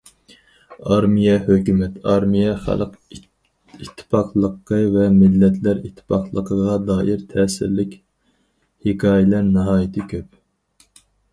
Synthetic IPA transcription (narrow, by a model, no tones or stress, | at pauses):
ɑɾmijɛhøkʲymɛt̪ʰɑɾmijɛχæ̰lˠq | it̪ʰːɪ̥pʰɑqlˠəqʰːəvɛmɪlːɛt̪ʰlæɾit̪ʰːɪ̥pʰɑqlˠəqʰəʁɑd̪ɑːʔiɾt̪ʰɛːsɪ̰ɾlɪkʲ | hɪkʰɑːjɪlæɾnɨɦɑːjit̪ʰɨkʲʰøp̚